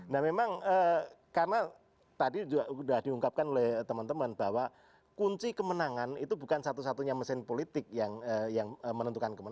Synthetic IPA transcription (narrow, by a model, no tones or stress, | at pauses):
nahmemaŋə | karəna | t̪adid͡ʒuɡaʔudahd̥iuŋkap̚kanolɛht̪əmant̪əmənb̥awa | kuɲt͡ʃikəmənaŋanit̪ubṳkansat̪usat̪uɲaməsɪnpolit̪ɪk̚jaŋəjaŋəmənənt̪ukankəmən